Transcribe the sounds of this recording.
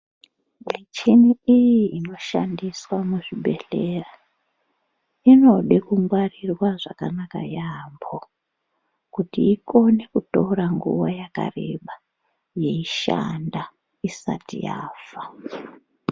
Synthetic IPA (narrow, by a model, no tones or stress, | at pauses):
mit͡ʃiniijiino̞ʃa̰ndiswamuʐiɓe̞ɬera | ino̞ɗekuŋɡwarirwaʐa̰kanaka̰jambo | kutiːko̞nekutoɾaŋɡṵʋajaka̰re̞̰ɓa | je̞iʃa̰nda | isa̰tijaːfa